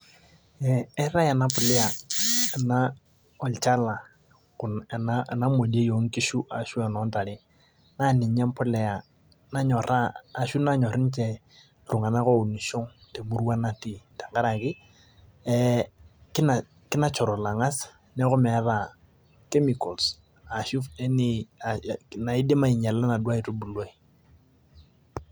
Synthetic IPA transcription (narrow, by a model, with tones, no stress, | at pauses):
ɛ˨ɛ˦ra˦ja˨na˦pʊ˨lɛ˦a˨na˦ | ɔ˨lt͡ʃa˦la˨ | kʊ˨nɛ˨na˦˨na˦mo˨de˦jo˨ŋ˦ki˦ʃu˦ʔa˨ʃu˦a˨nɔ˨˦nta˨lɪ˦ | na˦nɪ˨ɲɛ˦mpʊ˦lɛ˨a˨ | na˦ɲɔ˨ɾaː˦˨ʃu˦na˦ɲɔ˨ɾɪ˦n˦t͡ʃɛ˨ | lʊ˨ŋa˨na˦ko˦˨u˨ni˨ʃʊ˦ŋte˨mu˦ɾu˦wa˦na˦ti˨ta˨ŋɡa˦ɾa˨kɪ˦ | ɛ˦kɪ˦na˨ | kɪ˦na˦t͡ʃɔ˨ɾɔ˨la˨ŋa˦s | nɛ˦kʊ˦mɛ˨˦ra˨ | ke˦mi˨kɔ˨ls | a˨ʃu˦ɛ˦ni˦a˨na˨ɪ˦dɪ˦ma˦˨i˨ɲa˨la˦na˨dwa˦i˨tu˦bu˨lo˦i˨